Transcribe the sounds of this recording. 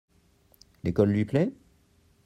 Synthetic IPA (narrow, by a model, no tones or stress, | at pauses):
lekɔlːɥiplɛ